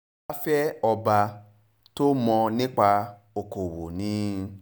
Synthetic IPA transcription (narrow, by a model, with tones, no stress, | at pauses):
a˦fɛ˦ɔ˧ba˧ | to˦mɔ̃˧nĩ˦k͡pa˧ | o˨ko˨wo˨nĩ˨˦